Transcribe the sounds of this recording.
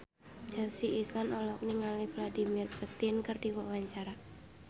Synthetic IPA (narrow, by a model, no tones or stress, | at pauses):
d͡ʒ̥alsiʔːslanɔlɔk̚niŋalɪhvladimirput̪ɪnkərd̥iwɔʔwaɲt͡ʃaɾa